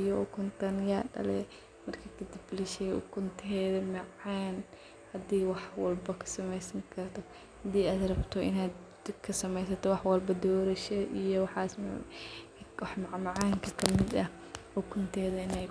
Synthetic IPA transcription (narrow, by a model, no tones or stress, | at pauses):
jɔkʰʊnt̪ʰɐnjaːɖɐ̰lɛ | mɐrkʰɐk̪ʰɐd̪ɪbbɪlɐʃɛjʔʊ̰kʰʊnt̪ʰɦɛːðɐmɑʕaːn | hɐd̪iːwɑħwɐlbɐkʰɐ̥sɐmɛjsɐŋkʰɐrt̪ʰɔ | hɐd̪iːaːd̪rɐbt̪ʰɔʔɪ̰naːd̪ | kʰɐsɐmɛjsɐt̪ʰɔwɑħwɐlbɐd̪ɔːɾɐʃɐʔijɔwɑħɑːsm | wɑħmɑʕmɑʕaːŋkʰɐkʰɐmɪd̪ɐ | ʊkʰʊnt̪ʰɛːðɐɪnɛj